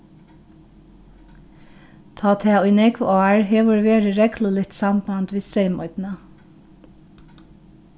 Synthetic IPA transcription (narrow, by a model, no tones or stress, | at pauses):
t̪ʰɑːt̪ʰɛːʊjnɛkʋɑːɹɦeːʋʊɹʋeːɹəɹɛkləlɪt̪sɑmbɑnt̪ʋiːst̪ɹeɪmɔ̰ʏd̪nə